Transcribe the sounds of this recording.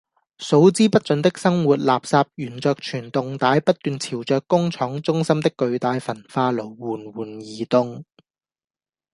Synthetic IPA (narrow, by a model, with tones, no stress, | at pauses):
so˨˥wt͡siː˥pɐ˥t̚t͡ʃɵ˨˧˥nt̪ɪ˥k̚sɐ˥ŋwuː˨t̚laː˨p̚saː˧p̚jyː˨˩nt͡sœː˧k̚t͡ʃʰyː˨˩nt̪ʊ˨ŋt̪aː˨˥jpɐ˥t̚t̪yː˨nt͡sʰiː˨˩wt͡sœː˨˧kːʊ˥ŋt͡ʃʰɔː˨˥ŋt͡sʊ˥ŋsɐ˥mt̪ɪ˥kːɵ˧ɥt̪aː˨˧jfɐ˨˩nfaː˧lo˨˩wwuː˨˩nwuː˨˩njiː˨˧t̪ʊ˧ŋ